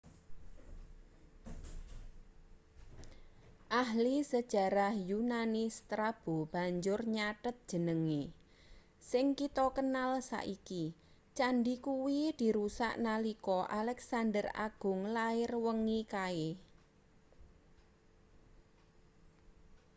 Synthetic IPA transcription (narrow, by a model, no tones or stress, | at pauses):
ʔaɦlisəd̥ʒ̥a̤ɾahjunanɪst̪ɾab̥ob̥a̤ɲd͡ʒʊrɲaʈət̪̚d̥ʒ̥ə̤nəŋi | sɪŋkit̪ɔkənalsa̰ʔiki | t͡ʃanɖikuwid̪̥i̤ɾusa̰ʔnalikɔʔalɛksand̪əra̰ɡ̥ʊ̤ŋlaɪrwəŋikae